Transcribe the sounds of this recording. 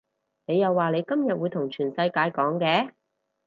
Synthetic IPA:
ne˨˧jɐ˨wːaː˨ne˨˧jkɐ˥mjɐ˨t̚wuː˨˧jt̪ʰʊ˨˩ŋt͡ʃʰyː˨˩nsɐ˧jkaː˨˧jkɔː˨˥ŋkɛː˧˥

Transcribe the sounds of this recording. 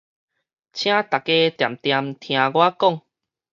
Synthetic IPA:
t͡ɕʰj̃ã˦t̪a˨˩kːe˦t̪ja˨˩mt̪ja˧mt̪ʰj̃ã˧ɡwa˦kɔ˥˨ŋ

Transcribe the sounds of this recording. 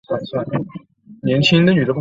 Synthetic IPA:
a˥˩swa˥˩n | njɛ˧˥nt͡ɕʰi˥ŋd̪ə˧ny˨˩d̪ə˥

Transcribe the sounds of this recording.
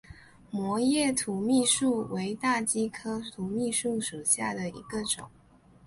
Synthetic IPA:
mwɔ˧˥jɛ˥˩t̪ʰu˧˥mi˥˧ʂu˥˩wʔe˧˥ɪt̪a˥˩t͡ɕi˥kʰɤ˥t̪ʰu˧˥mi˥˧ʂu˥˩ʂu˨˩ɕja˥˩d̪ə˩ḭ˧˥ɡə˧ʈ͡ʂʊ̰˨˩˦ŋ

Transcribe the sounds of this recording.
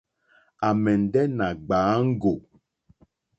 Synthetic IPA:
a˨mɛ˨n̩˨dɛ˦na˨ɡ͡baː˨˦ŋ̩˦ɡo˨

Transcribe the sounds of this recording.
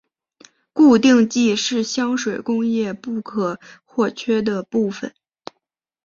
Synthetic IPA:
ku˥˧t̪̬i˥˧ŋt͡ɕi˥˧ʂɻ̩˥˩ɕjɑ˥ŋʂwe˨˩ɪkʊ˥ŋjɛ˥˧pu˥˩kʰɤ˨˩˦xwɔ˥˩t͡ɕʰɥɛ˥d̪ə˨pu˥˩fə̰˨˩˦n

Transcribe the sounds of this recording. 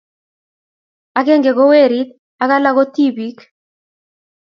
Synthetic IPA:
a˨ke˦ŋɡe˨ɡo˦we˦ɾi˦t̪̚ | a˦ka˦la˦ko˦t̪i˦bi˨k

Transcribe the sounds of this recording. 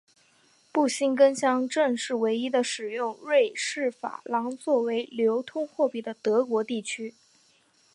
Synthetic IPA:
pu˥˩ɕi˥nkə˥nɕjɑ˥ŋʈ͡ʂɤ˥˧ŋʂɻ̩˥˩we˧˥ɪi˥d̪ə˨ʂɻ̩˨˩jʊ˥˧ŋɻwe˥˧ɪʂɻ̩˥˩fa̰˨˩lɑ˧˥ŋt͡swɔ˥˩we˧˥ɪljo˧˥ʊt̪ʰʊ˥ŋxwɔ˥˧pi˥˩d̪ə˩t̪ɤ˧˥kwɔ˧˥t̪i˥˩t͡ɕʰy˥

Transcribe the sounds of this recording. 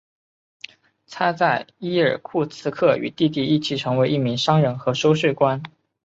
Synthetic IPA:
t̪ʰa˥t͡sa˥˩ɪi˥ə˞˨˩kʰu˥˩t͡sʰɹ̩˥kʰɤ˥˩y̰˨˩t̪i˥˧t̪̬i˥˧i˥˩t͡ɕʰi˥˩ʈ͡ʂʰɤ˧˥ŋwe˧˥ɪʔi˥˩mi˧˥ŋʂɑ˥ŋɻə˧˥nxɤ˧˥ʂo˥ʊʂwe˥˩ɪkwa˥n

